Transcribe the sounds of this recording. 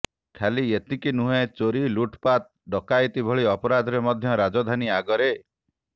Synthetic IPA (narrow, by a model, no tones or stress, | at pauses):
kʰaliet̪ikinuɦẽt͡ʃoɾiluʈpat̪̚ | ɖɔkajt̪ibʱɔɭiɔpɔɾad̪ʱɔɾemɔd̪ʱjɔɾad͡ʒɔd̪ʱaniaɡɔɾe